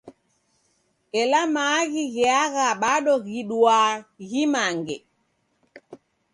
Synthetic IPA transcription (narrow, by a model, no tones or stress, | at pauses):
ɛlamaɣiɣɛaɣaɓaɗɔɣiɗuaɣimaŋɡɛ